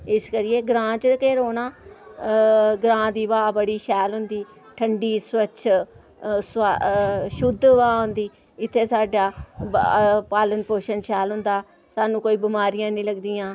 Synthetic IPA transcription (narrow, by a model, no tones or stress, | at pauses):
ɪskəɾɪjeːɡɾãːt͡ʃkeːɾoːnaː | ɡɾãːd̪iːʋaːbəɽiːʃɛːlɦʊ̃nd̪iː | ʈʰəɳɖiːswət͡ʃʰ | s | ʃʊd̪ʋaːɦʊ̃nd̪iː | ɪt̪ʰːeːsaːɖaː | paːlənpoːʃənʃɛːlɦʊ̃nd̪aː | saːnũːkoːiːbɪmaːɾɪjãːnĩːləɡd̪iːãː